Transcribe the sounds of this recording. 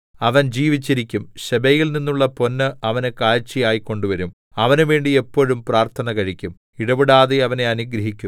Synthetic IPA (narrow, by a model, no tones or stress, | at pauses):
ɐʋɐnd͡ʑiːʋit͡ɕːiɾikʲːumɕɐbɐjilninːuɭːɐpo̞nːɨɐʋɐnekaːɻt͡ɕːijaːjiko̞ɳɖuʋɐɾum | ɐʋɐnuʋe̞ːɳɖiepːo̞ːɻumpraːrt̪ʰɐnɐkɐɻikʲːum | iɽɐʋiɽaːðeɐʋɐne̞ɐniɡɾɐɦikʲːum